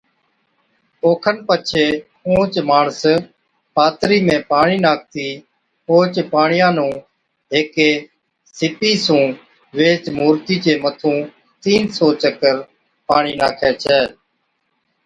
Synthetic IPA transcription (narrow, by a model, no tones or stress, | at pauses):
oːkʰənpət͡ʃʰeː | õːt͡ʃmaːɳəs | paːt̪ɾiːmẽːpaːɳiːnaːk̚ʰt̪iː | poːt͡ʃpaːɳɪjãːnũː | ɦeːkeː | sɪpiːsũː | ʋeːt͡ʃmuːɾt̪iːt͡ʃeːmət̪ʰũː | t̪iːnsoːt͡ʃəkəɾ | paːɳiːnaːkʰeːt͡ʃʰɛː